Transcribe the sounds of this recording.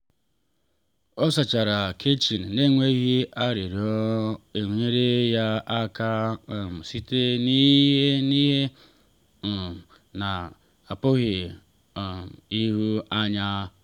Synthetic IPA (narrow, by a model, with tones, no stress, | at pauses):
ɔ˦sa˨t͡ʃa˨ɾa˨kʰe˦t͡ʃi˨n̩˨ne˦ŋʷe˦ɣi˦a˦ɾi˨ɾi˨ɔ˦e˨ŋʷu˨ɲe˦ɾe˦ja˦a˦ka˦˨m̩˨si˦te˦ni˦ɦe˦ni˦ɦe˦˨ | na˨ | a˨pʊ˦ɣɪ˨ | i˦ɦu˦a˦ɲa˦